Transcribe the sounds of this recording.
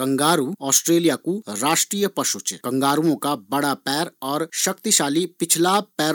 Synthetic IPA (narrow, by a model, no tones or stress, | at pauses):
kɐ̃ŋɡaːɾuɔːsʈɾeːlijakuɾaːʃʈɾiːjəpɐʃʊt͡ʃkɐ̃ŋɡaːɾuõkabɐɽapɛːɾɔːɾʃɐk̚t̪iʃaːlipɪt͡ʃʰlaːpɛː